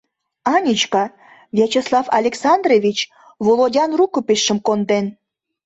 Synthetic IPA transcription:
ɑnʲit͡ɕkɑ | vʲet͡ɕeslˠɑfɑlʲeksɑnd̪revʲit͡ɕ | volˠodʲɑnrukopeʃːə̆mkond̪en

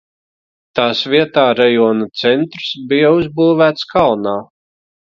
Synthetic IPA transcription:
t̪aːsvʲiɛt̪aːɾajɔɔnut̪sɛnt̪ɾsbijauzbuːvæːt̪skalˠnaː

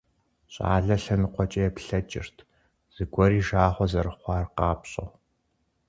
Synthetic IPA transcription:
ɕʼa̰ːɮɐɬɐnɨqʷɔt͡ʃʼɐjɛpɬɐt͡ʃʼɪ̰rtʰ | z̥ɨɡʷɔɾiːʒaːχʷɔzɐɾɨχʷɑːrqɑːpɕʼɐ̰ʁ

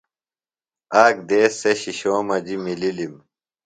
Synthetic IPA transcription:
aːk̚d̪eːsːeɕiɕoːmɐd͡ʑimililim

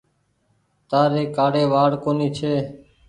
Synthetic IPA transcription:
t̪aːɾeːkaːɽeːʋaːɽkoːniːt͡ʃʰeː

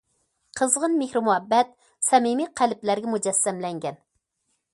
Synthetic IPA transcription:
qʰəzʁənmehɾɪmuhɛbːɛt̪̚ | sɛmimiqʰælɪplæɾɡʲɛmud͡ʒɛsːɛmlɛŋɡʲɛn

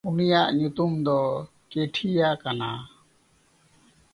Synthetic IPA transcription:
unijaʔɲut̪umd̪ɔ | keʈʰijakana

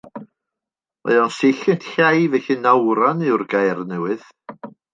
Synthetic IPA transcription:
ɔ̰ðɔnsɪɬɨntʰɬajvɛɬɨnawɾanɨwrɡajrnɛwɨð

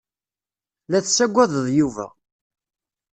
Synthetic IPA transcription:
læθsːæɡʷːæðˤəðˤjuvæ̰

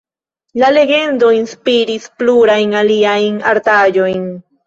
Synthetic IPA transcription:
laleɡe̞nd̪oinspiɾispluɾajnaliajna̰ɾt̪aʎojn

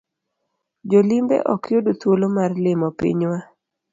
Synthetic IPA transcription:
d͡ʒolimbɛ̰ʔɔkjodot̪wolomarlɪmɔpḭɲwa

